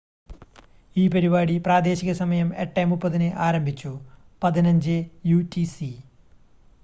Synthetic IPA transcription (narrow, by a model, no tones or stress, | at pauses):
iːpɐɾiβaːɽipraːd̪e̞ːɕiɣɐsɐmɐjɐmeʈːɐjmupːɐðinɨʔaːɾɐmbʱit͡ɕːu | pɐðinɐɲd͡ʑɨjutisi